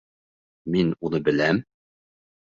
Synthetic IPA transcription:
minunɤbɘ̆læm

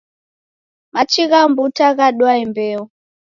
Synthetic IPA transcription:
mat͡ʃiɣambutaɣaɗwaimbɛɔ

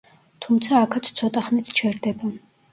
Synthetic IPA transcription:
t̪ʰumt̪sʰaːkʰat̪ʰt̪sʰɔt̪ʼaχnit̪ʰt͡ʃʰɛɾd̪ɛba

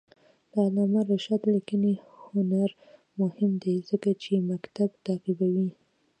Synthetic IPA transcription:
lalɑmaɾaʃat̪lakənehʊnaɾ | mʊhɪmd̪ezəkat͡ʃemakt̪abt̪aqibawi

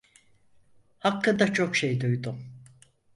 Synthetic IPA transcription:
hakːɯnd̪at͡ʃʰo̞kʃejd̪ujd̪ʊm

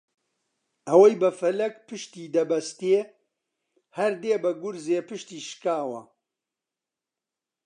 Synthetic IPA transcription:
ʔɐwɐjbɐfɐlɐkpɨʃt̪iːd̪ɐbɐst̪e | hɐɾd̪eːbɐɡʊɾzeːpɨʃt̪iːʃkaːwɐ̰

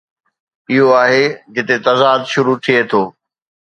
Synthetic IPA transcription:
ɪɦoaːɦed͡ʑɪt̪et̪ɐzaːd̪ʃʊɾut̪ʰiet̪ʰoː

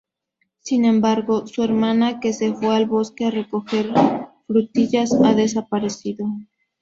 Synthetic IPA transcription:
sinẽ̞mbaɾɣo̞sue̞ɾmãnake̞se̞fwealβo̞skeare̞ko̞xe̞ɾfɾut̪iʝasaðe̞sapaɾe̞siðo̞

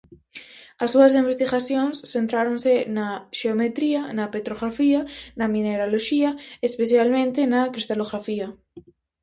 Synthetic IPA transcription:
asːuasimbest̪iɣaθjonsθent̪ɾaɾonsenaʃeomet̪ɾianapet̪ɾoɣɾafianamĩneɾaloʃiaespeθjalmẽnt̪enakɾist̪aloɣɾafia

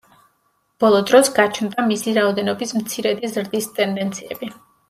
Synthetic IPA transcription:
b̥ɔlˠɔd̪ɾɔsɡat͡ʃʰnd̪amisiɾaɔd̪ɛnɔbismt̪sʰiɾɛd̪izɾd̪ist̪ʼɛnd̪ɛnt̪sʰiɛbi

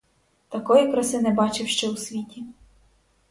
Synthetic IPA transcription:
t̪ɐkɔjikɾɐsɪnɛbɑt͡ʃɪwʃt͡ʃɛusʲʋʲitʲi

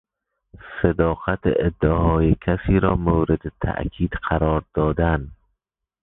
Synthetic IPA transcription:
sed̪ɒːqæt̪eed̪ːæhɒːjekʰæsiːɾɒːmowɾed̪et̪ʰæ̰ʔkʰiːd̪̥qʰæɾɒːɾd̪̥ɒːd̪æn

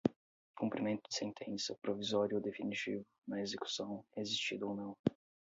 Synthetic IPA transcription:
kũmpɾimẽnt̪ʊd͡ʒɪ̥sẽnt̪ʰẽsɐpɾovizɔɾjʊod̪efinit͡ʃivʊnɐezeku̥sɐ̃w̃ɛezist͡ʃid̪ʊownɐ̃w̃

